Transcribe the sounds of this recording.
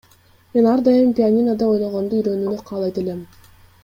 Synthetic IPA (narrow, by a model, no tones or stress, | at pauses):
me̞nɑɾd̪ɑjɯmpʲianʲinad̪ɑo̞jnoʁo̞nd̪uyɾø̞nyːnyqʰɑːlˠɑjt̪e̞le̞m